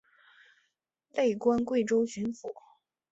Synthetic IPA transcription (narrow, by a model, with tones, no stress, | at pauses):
le˥˩ɪkwa˥nkwe˥˩ɪʈ͡ʂo˥ʊɕy˧˥nfu˨˩˦